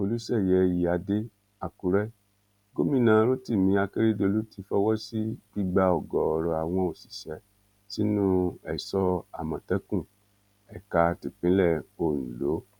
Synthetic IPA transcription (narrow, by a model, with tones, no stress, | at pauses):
o˧lu˦sɛ˦˨jɛ˨˧ji˨a˧de˦ | a˨ku˧ɾɛ˦ | ɡo˦mĩ˦nã˨˧˦ɾo˦ti˦˨mĩ˧˦a˧ke˦ɾe˦do˧lu˦ti˧fɔ˦wɔ˦si˦ɡ͡bi˦ɡ͡ba˧ɔ˨ɡɔ˨ɔ˨ɾɔ˧a˨w̃ɔ̃˧o˨si̥˨ʃɛ˨˦ | si˦nũ˦ɛ˨sɔ˧˦a˨mã˨tɛ˦kũ˦˨ | ɛ˨ka˧ti˨k͡pĩ˨˦lɛ˦˨o˨nũ˨lo˨˦